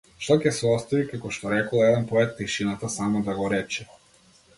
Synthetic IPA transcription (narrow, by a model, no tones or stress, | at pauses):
ʃt̪ɔcʲɛsɛɔst̪avikakɔʃt̪ɔɾɛkɔlˠɛd̪ɛnpɔɛt̪t̪iʃinat̪asamɔd̪aɡɔɾɛt͡ʃɛ